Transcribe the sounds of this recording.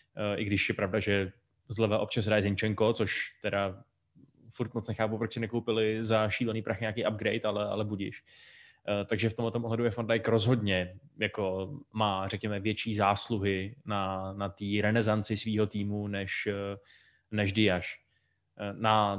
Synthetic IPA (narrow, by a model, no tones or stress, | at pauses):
ʔɪɡdɪʃjɛpɾavdaʒɛ | zlɛvɛʔop̚t͡ʃasɦɾaːjɛzɪɲt͡ʃɛŋko̞t͡soʃt̪ɛda | fuɾt̪̚mot͡snɛxaːpupɾot͡ʃsɪnɛkowpɪlɪzaʃiːlɛniːpɾaxɪɲaːkejab̚ɡɾɛjt̪alɛʔa̰lɛbuɟɪʃ | t̪aɡʒɛft̪omɦlɛt̪o̞mʔoɦlɛdujɛfandajkɾozɦo̞dɲɛjakomaːr̝ɛkɲɛmɛvjɛt͡ʃiːzaːsluɦɪnanat̪iːɾɛnɛzant͡sɪsviːɦo̞t̪iːmunɛʃ | nɛʒdɪjaʃ | na